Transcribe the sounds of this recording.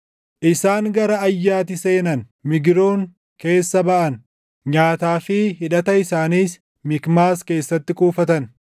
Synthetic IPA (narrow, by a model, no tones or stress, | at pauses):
ʔɪsaːŋɡɐɾɐɐjːaːt̪ɪse̞ːnɐn | mɪɡɾo̞ːŋ | ke̞ːsːɐbɐʔɐn | ɲaːt̪aːfɪɦɪᶑɐt̪ɐɪsaːniːs | mɪkmaːske̞ːsːɐt̪ːɪkʼuːfɐt̪ɐn